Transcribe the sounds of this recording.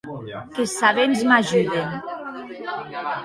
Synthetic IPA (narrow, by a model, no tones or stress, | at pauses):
kesaβenzmaʒyðen